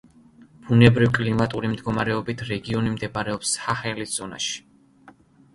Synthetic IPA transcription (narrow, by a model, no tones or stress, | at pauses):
b̥unɛbɾivkʼlimat̪ʼuɾimd̪ɡɔmaɾɛɔbit̪ʰɾɛɡiɔnimd̪ɛbaɾɛɔpsaχɛlisz̥ɔna̰ʃi̥